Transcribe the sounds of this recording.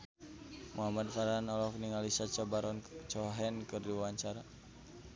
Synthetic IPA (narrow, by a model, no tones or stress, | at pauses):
mʔuɦamadfaɾanɔlɔfniŋalisat͡ʃabaɾɔnt͡ʃɔɦɛnkɨrdiwawaɲt͡ʃaɾa